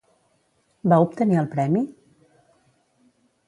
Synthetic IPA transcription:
baup̚t̪əniəlˠpɾɛmi

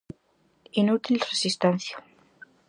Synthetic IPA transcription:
inut̪ʰilresist̪ɛnsja

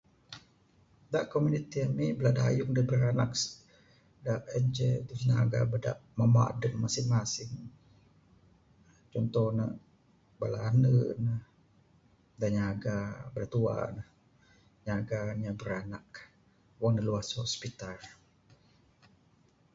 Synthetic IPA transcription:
daʔkomunit̪iamibəladajʊŋdabəɾanak | daʔɛnd͡ʒɛd̪usɲaɡa̰bəda̰ʔmama̰ʔdəmmasɪŋmasɪŋ | t͡ʃɔnt̪ɔhnə̰ʔ | balanənəh | daɲaɡabədat̪ua̰nəh | ɲaɡaɲabəɾanak | wɔŋnəluashɔspit̪ar

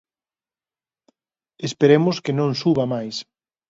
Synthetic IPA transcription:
espeɾemʊskenõŋsuβamajs

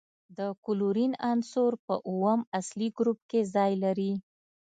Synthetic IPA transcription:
d̪əkʊluɾinansoɾpəʔuwəmasliɡɾup̚kezɑjlaɾi

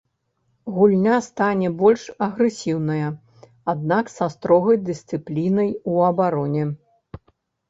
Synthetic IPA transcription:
ɣulʲnʲast̪anʲɛbɔlʲʂɐɣɾɛsʲiwnɐjɐ | ad̪̚naksɐst̪ɾɔɣɐjd̪ɨsʲt̪sɨplʲinɐjuɐbaɾɔnʲɛ

